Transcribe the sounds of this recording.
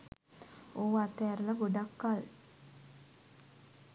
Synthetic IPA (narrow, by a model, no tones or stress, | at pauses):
oːat̪ɛːɾələɡoɖakːal